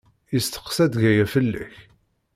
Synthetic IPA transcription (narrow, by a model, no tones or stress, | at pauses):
jəst̪ə̥qsæd̪ʝæjæfəlːæ̰ç